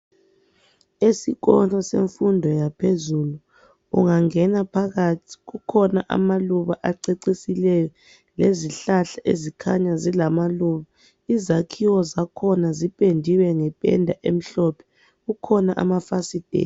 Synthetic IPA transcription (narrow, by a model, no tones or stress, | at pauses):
esiɣɔnɔsḛɱfundʱɔjapʰezuːlu | ṵŋaŋɛnapʰaɣatʰi̥ɣukʰɔnaʔa̰maluβaʔaǀeǀisilɛjɔ | leziɬaɬaʔezikʰaɲazilamaluβa | izakʰiwɔzakʰɔnazipʼendʱiwɛŋɛpʼɛ̰ndʱaʔem̩ɬɔpʰɛ̥ | ukʰɔnaʔa̰mafasid̥ʱḛːn